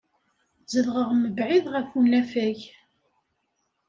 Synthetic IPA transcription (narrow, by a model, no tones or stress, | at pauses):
zəðʁəʁməbʕiðʁəfunæfæʝ